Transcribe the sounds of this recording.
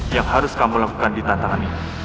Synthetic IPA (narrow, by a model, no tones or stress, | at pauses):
jaŋhaɾʊskamulaku̥kandit̪ant̪aŋanit̪